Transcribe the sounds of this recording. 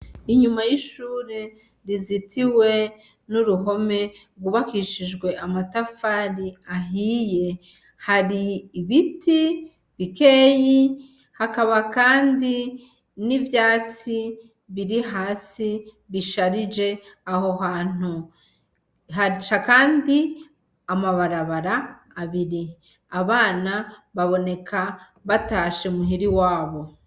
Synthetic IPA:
iɲumajiʃuːɾe̞ | ɾizitʰiwe̞ | nuɾuɦo̞me̞ɾɡuβakiʃiʒɡwe̞amatafaɾiaɦiːje̞ | haɾiːβiti | βikeji | hakaβakaːndi | nivjaːt͡si | βiɾiɦaːsi | βiʃaɾid͡ʒe̞aho̞ɦaːn̥u | ɦat͡ʃakaːndi | amaβaɾaβaɾaː | βiɾi | aβaːnaβaβo̞ne̞kʰa | βataːʃemuɦiɾiwaːβo̞

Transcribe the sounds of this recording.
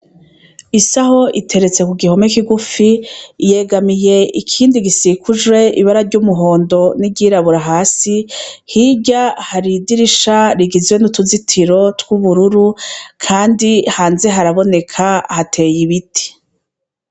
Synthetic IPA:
isaɦo̞ʔitʰe̞ɾe̞t͡se̞kuɡiho̞mekiɡufije̞ɡamije̞ʔikʰiːndiɡisikuʒwe̞ʔiβaɾaɾɟuːmuɦo̞ːndo̞niɟiːɾaβuɾaɦaːsihibɟahaɾidiɾiʃaɾiɡizwe̞nutuzitʰiɾo̞tkwuβuɾuɾukʰaːndihaːnze̞ɦaɾaβo̞ne̞kʰahatʰe̞ːjiβitʰi̥

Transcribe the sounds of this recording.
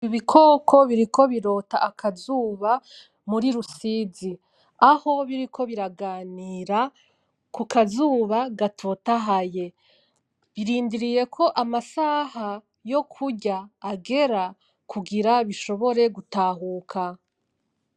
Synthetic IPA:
iβikʰo̞ːkʰo̞βiɾiko̞βiɾo̞taːkʰazuːβa | muɾiɾusiːzi | aho̞βiɾikʰo̞βiɾaɡaːniːɾa | kukazuːβaɡatʰoːtaɦaje̞ | βiɾiːndiɾije̞kʰo̞ʔamasaːha | jo̞kʰuɟaːɡe̞ɾa | kʰuɡiɾaβiʃo̞βo̞ɾe̞ɡutaːɦuːkʰa

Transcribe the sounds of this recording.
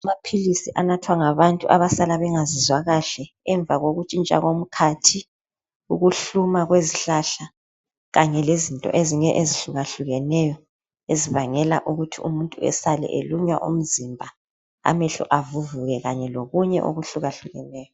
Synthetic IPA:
mapʰilisiʔanatʰwaŋaβantʼuʔaβasalaβɛŋazizwaɣaɬɛ | ɛɱb̪vaɣoɣut͡ʃʼint͡ʃʼa̰ɣom̩kʰatʰi | uɣuɬumaɣweziɬaɬa | ɣaɲɛlezintʼɔ̰ʔeziŋɛʔeziɬuɣaɬuɣɛnɛjɔ | eziβaŋɛlaʔuɣutʰiumuntʼuɛ̰salɛ̰ʔeluɲwa̰ʔṵm̩zimbʱa | a̰mɛɬṵʔavuvuɣɛɣaɲɛloɣuɲɛʔo̰ɣuɬuɣaɬuɣɛnɛːjɔ

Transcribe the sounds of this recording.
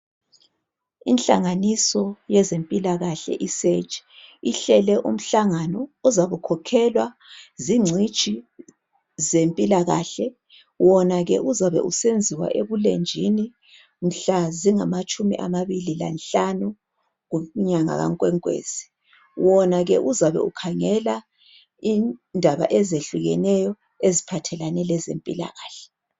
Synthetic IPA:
ḭnɬa̰ŋanisɔjɛzempʼilaɣaɬɛ̰ʔiset͡ʃʼi̥iɬɛlɛʔum̩ɬaŋanɔːzaβukʰɔkʰɛlwa | ziŋ͡ǀʱi̥t͡ʃʰʼi | zempʼilaɣa̰ɬɛ | wɔnaɣɛʔuzaβɛ̰ʔusend͡zʱiwa̰ʔeβulḛnd͡ʒʱini | m̩ɬaziŋamat͡ʃʼumḭʔamaβilila̰nɬanu | ɣuɲaŋa̰ɣa̰ŋkʼwɛŋkʼwḛːz̥i̥ | wʔɔnaɣɛʔuzaβɛ̰ukʰaŋɛla | indʱaβa̰ʔɛzeɬuɣɛ̰nɛjɔ | ezipʰatʰɛlanɛlɛzḛmpʼḭla̰ɣaːɬɛ̥

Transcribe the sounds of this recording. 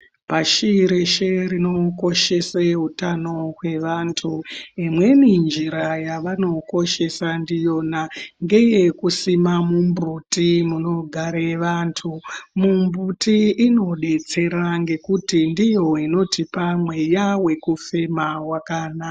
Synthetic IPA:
paʃiɾeʃerino̞ko̞ʃe̞seɦutano̞ɦwe̞ʋaːntʰuimwe̞nind͡ʒiɾajaʋano̞ko̞ʃe̞sandijo̞naŋɡe̞jekusimamumbrutimuno̞ɡʱaɾeʋantʰumumbutiːno̞ɗe̞t͡se̞ɾaŋɡe̞kutindijo̞ino̞tipamwe̞jawe̞kufe̞mawakaːnaa

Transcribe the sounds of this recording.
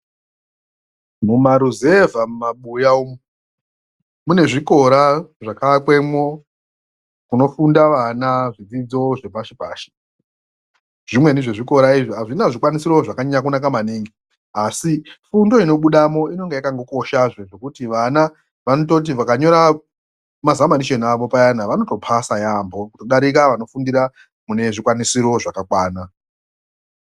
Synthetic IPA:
mumaɾuzevamumaɓujaum | mune̞ʐiko̞ɾaʐakaakwe̞mwo | kuno̞fundaʋanaʐid͡zid͡zo̞ʐe̞paʃipa̰ːʃi̥ | ʐ̥imwe̞niʐe̞ʐiko̞ɾaiʐiɦaʐinaʐikwanisiɾoʐakaɲakunakamaniːŋɡi | asifundo̞ino̞ɓuɗamo̞ino̞ŋɡejakaŋɡo̞ko̞ʃaʐeʐe̞kutiʋana | ʋanoto̞t̬iʋakaɲo̞ɾa | mazamaniʃe̞naʋo̞pajanaʋano̞to̞pʰasajambokuto̞ɗaɾikaʋano̞fundiɾa | mune̞ʐikwanisiɾo̞ʐakakwaːna

